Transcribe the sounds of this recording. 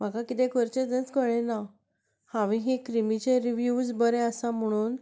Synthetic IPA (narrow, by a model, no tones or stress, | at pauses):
m̤akakit̪ẽkəɾt͡ɕet̪ə̃t͡skəɭenaw | hãʋĩɦikɾimit͡ɕẽɾiʋjud͡zbəɾeəsam̤əɽ̃uːn